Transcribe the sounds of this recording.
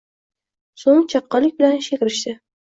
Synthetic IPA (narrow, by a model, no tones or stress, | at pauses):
soŋt͡ʃʰɑqːɑlɪkʲbɪlanʃekʲɾɪʃt̪ɪ